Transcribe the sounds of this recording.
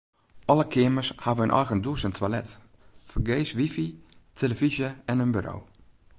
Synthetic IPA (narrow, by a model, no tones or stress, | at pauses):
ʔɔləkʰɪəməshavəənʔɔ̰jɣəndusəntʰʋalɛt | fərɡeːsʋifitʰeləvizjəɛnənbyɾo̰w